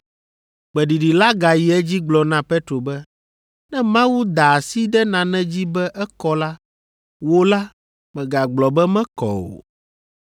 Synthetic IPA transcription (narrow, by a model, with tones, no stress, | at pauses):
k͡pɛ˨ɖi˨ɖi˨la˦ɡa˨ji˨ɛ˦d͡ʑi˦ɡ͡blɔ˨nã˦pɛ˦t̪ɾo˨bɛ˦ | nɛ̃˦mã˦wu˦d̪a˨si˦ɖɛ˦nã˨nɛ̃˦d͡ʑi˦bɛ˦ʔɛ˦kɔ˦la˦ | wo˦la˦ | mɛ̃˨ɡa˨ɡ͡blɔ˨bɛ˦mɛ̃˦kɔ̰˨o̰˨